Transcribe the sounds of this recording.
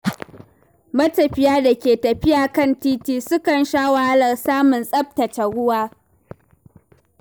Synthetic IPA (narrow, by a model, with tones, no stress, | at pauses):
mɐ˦tɐ˨ɸɪ˦jaː˦da˨kʲeː˨tɐ˨ɸɪ˦jaː˨kɐ˦˨ntiː˦tiː˦sʊ˦kɐ˨nʃaː˦wa˨ha˦lɐ˨rsaː˦mʊ˨nsʼɐ˦p̚tɐ˨t͡ʃɐ˨ɽʊ˦waː˦